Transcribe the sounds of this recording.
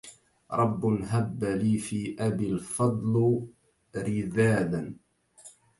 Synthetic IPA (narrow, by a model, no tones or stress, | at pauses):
ɾˤɑbːnɦabːaliːfiːʔabɪlfɑd̪ˤl | ɾɪðaːðan